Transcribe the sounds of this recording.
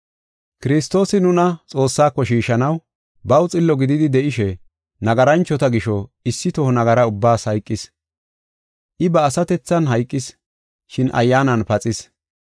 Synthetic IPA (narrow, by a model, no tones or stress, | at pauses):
kɪɾɪst̪o̞ːsɪnʊnɐt͡sʼo̞ːsːaːkːɔʃiːʃɐnɐw | bɐwt͡sʼɪlːɔɡɪd̪ɪd̪ɪd̪ɛʔɪʃɛ | nɐɡɐɾɐnt͡ʃːɔt̪ɐɡɪʃɔɪsːɪt̪ɔhɔnɐɡɐɾɐʊbːaːshɐjkʼːɪs | ʔɪbɐːsɐt̪ɛt͡sːɐnɦɐjkʼːɪs | ʃɪnʔɐ̰jːaːnɐnpɐt͡sʼɪs